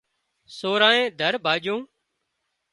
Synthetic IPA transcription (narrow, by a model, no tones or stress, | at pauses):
soːɾãːẽːd̪ʱəɾbʱaːd͡ʒõː